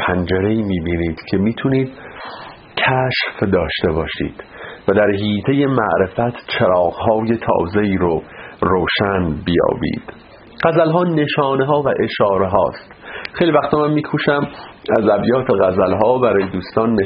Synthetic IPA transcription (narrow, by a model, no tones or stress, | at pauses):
pʰænd͡ʒeɾeiːmiːbiːniːd̪̥cʰe̞miːt̪ʰuniːd̪̥ | cʰæʃfd̪ɒːʃt̪e̞bɒːʃḭːd̪̥væd̪æɾɦiːt̪ʰe̞je̞mæʔɾe̞fæt̪ʰt͡ʃʰeɾɒːɣɦɒːje̞t̪ʰɒ̰ːze̞iːɾoɾoːʃænbijɒ̰ːbḭːd̪̥ | ɢ̥æzælɦɒːne̞ʃɒːneɦɒːvæʔe̞ʃɒːɾe̞ɦɒ̰ːst̪xejlivæxt̪ʰomænmiːkʰuːʃæmæzæbjɒːt̪ʰeɣæzælɦɒːbæɾɒːjed̪uːst̪ɒːnːe